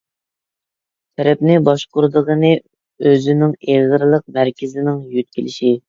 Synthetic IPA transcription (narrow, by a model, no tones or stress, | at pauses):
t̪ʰɛɾɛpnɪbɑʃqʊɾd̪əʁənɨ | øzɪnɪŋeʁəɾɨlˠəq̚mæɾkʲʰɪzɪnɪŋjyt̪̚kʲʰilɪʃi